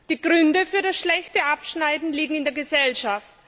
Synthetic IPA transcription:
d̥iːɡ̥ʁʏndəfyːɐɾasʃlɛçtəʔapʃnaɪdn̩liːɡŋ̩ɪndeɐɡəzɛlʃaft

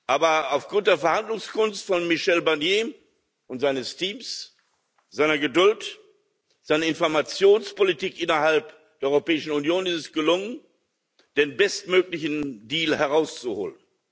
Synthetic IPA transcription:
ʔaːbɐaʊfɡ̥ʁʊnt̚d̥eːɐfɛɐhandlʊŋskʊnstfɔnmɪʃɛlbaɐnjeː | ʔʊntz̥aɪnəstʰiːms | z̥aɪnɐɡədʊlt | z̥aɪnəɪnfɔɐmat͡sjoːnspolitiːkʔɪnɐhalp | d̥eːʔɔʏʁopɛːɪʃn̩unjoːnɪstɛsɡ̥əlʊŋən | d̥eːnbɛstmøːklɪçn̩diːlhɛʁ̞aʊst͡suho̰ːlən

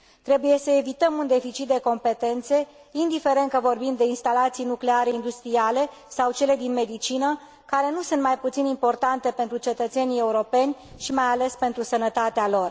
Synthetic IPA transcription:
t̪ɾe̞buje̞səe̞vit̪əmund̪e̞fit͡ʃit̪̚d̪e̞ko̞mpe̞t̪e̞nt̪se̞ | ind̪ife̞ɾe̞nt̪̚kəvo̞rbimd̪e̞inst̪alat̪sijnukle̞aɾe̞ind̪ust̪ɾiale̞ | sawt͡ʃe̞le̞d̪inme̞d̪it͡ʃinə | kaɾe̞nusunt̪majput̪sinimpo̞rt̪ant̪e̞pe̞nt̪ɾut͡ʃe̞t̪ət̪se̞nie̞uɾo̞pe̞nʲ | ʃimajale̞spe̞nt̪ɾusənət̪at̪ealo̞r

